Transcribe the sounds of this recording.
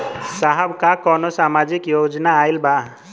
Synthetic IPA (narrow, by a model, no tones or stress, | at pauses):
saɦəbkakɔnɔsamad͡ʒikjod͡ʒɔnaːjlba